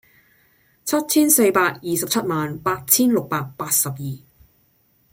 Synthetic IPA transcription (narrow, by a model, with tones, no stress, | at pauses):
t͡sʰɐ˥t̚t͡sʰiː˥nse˧jpaː˧k̚jiː˨sɐ˨p̚t͡sʰɐ˥t̚maː˨npaː˧t̚t͡sʰiː˥nlʊ˨k̚paː˧k̚paː˧t̚sɐ˨p̚jiː˨